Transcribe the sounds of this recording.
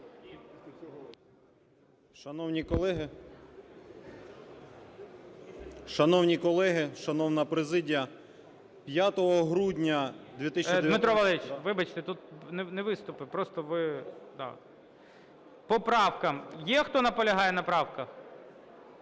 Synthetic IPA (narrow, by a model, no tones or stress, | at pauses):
ʃɐnɔwnʲikɔlˠɛɦɪ | ʃɐnɔwnʲikɔlˠɛɦɪʃɐnɔwnɐpɾezɪdʲijɐ | pʲjat̪ɔɦɔɦɾudʲnʲɐd̪ʋʲit̪ɪsʲt͡ʃid̪mɪt̪ɾɔʋɐlˠɛit͡ʃʋɪbɐt͡ʃt̪ɛt̪ut̪̚nenɛʋɪst̪ʊpɪpɾɔst̪ɔʋɪd̪ɑ̰ | pɔpɾɑwkɐmjɛxt̪ɔnɐpɔlʲɐɦɑjɛnɐpɾɑwkɐ